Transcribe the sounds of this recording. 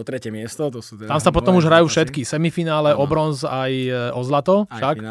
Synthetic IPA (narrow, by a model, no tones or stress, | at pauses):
ɔt̪ɾɛcɛmɪɛst̪ɔt | t̪amsapɔt̪ɔmuʒɦɾajuːfʃɛt̪kisɛmifinaːlɛʔɔbɾɔnzajɔzlat̪ɔʃak